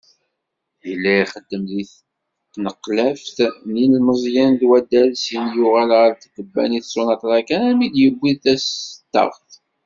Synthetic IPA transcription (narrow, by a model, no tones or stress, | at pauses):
jəlːæχəd̪ːəmðiθ | nəqːlæfθninlməzˤjænd̪wæd̪ːælsinjʊʁælʁəɾt̪əɡ̪əbːæ̰niθsonɑt̪ˤɾˤɑkænæmid̪jəbʷːiðθæsət̪ːɑ̰ʁθ